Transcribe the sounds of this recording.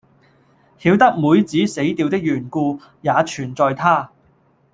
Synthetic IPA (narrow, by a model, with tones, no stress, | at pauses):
hiː˨˧˥wt̪ɐ˥k̚muː˨˧jt͡siː˨˥se˨˥jt̪iː˨wt̪ɪ˥k̚jyː˨˩nkuː˧ | jaː˨˧t͡ʃʰyː˨˩nt͡sɔː˨˧jt̪ʰaː˥